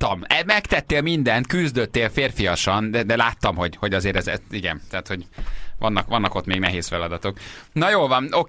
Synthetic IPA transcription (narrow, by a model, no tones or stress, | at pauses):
ɒmɛmɛkt̪ɛt̪ːeːlmind̪ɛnt̪kyzd̪øt̪ːeːlfeːrfijɒʃɒnd̪ɛd̪ɛlaːt̪ːɒmho̞ɟho̞ɟɒzeːɾɛzɛ̰iɡɛ̰nt̪ɛːt̪ho̞ɟvɒ̰nːɒkʋɒnːɒko̞t̪meːɡnɛɦeːsfɛlɒd̪ɒt̪o̞knɒjoːlvɒno